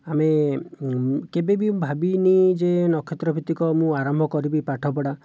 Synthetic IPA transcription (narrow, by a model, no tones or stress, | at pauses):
ame | kebebibʱabinid͡ʒenɔkʰːet̪ɾɔpʰit̪ikɔmũaɾɔmbʱɔkɔɾibipaʈʰɔpɔɽa